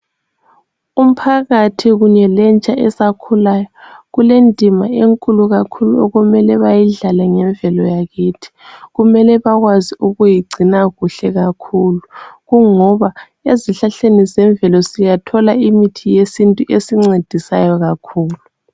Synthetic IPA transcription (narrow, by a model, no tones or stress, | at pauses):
um̩pʰaɣatʰiɣuɲɛlɛnt͡ʃʼaʔɛsakʰulajɔɣulendʱimaeŋkʼuluɣakʰuluɔɣumɛlɛβajiɮalaŋɛɱvʱɛlɔjaɣiːtʰi̥ɣumɛlɛβaɣwaziuɣujiɡ͡ǀʱinaɣuɬɛɣakʰuluɣuŋɔβa | eziɬaɬenizɛɱbvʱɛlɔsijatʰɔlaimitʰijesintʼuʔesiŋ͡ǀed̥ʱisajɔɣakʰuːlu